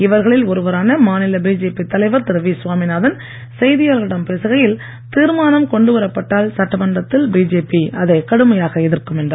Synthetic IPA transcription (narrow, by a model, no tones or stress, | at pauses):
ɪʋɐɾɣɐɭɪlɔɾɯʋɐɾaːnɐmaːnɪlɐbiːd͡ʒeːpːit̪ːɐlɐɪʋɐɾt̪ɪɾɐʋisʋaːmɪnaːðɐn | sɛjðɪjaːɾɣɪɽɐmpeːsɯɣɐjɪl | t̪iːɾmaːnɐmkɔɳɖɯʋɐɾɐpːɐʈːaːlsɐʈːɐmɐɳɖɐt̪ːɪlbiːd͡ʒeːpiʔɐðɐɪkɐɽɯmɐjaːɣɐɪðɪrkɯmɛndrɐ